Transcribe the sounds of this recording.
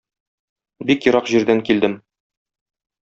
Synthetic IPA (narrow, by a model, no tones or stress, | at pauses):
bikjɤ̆ɾɑqʑiɾd̪æŋkild̪ɘm